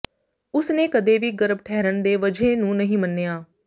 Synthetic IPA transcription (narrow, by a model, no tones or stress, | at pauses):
ʊsneːkəd̪eːʋiːɡəɾəbʈʰɛːɾəɳd̪eːʋəd͡ʒeːnũːnəɦĩːmənːeːjaː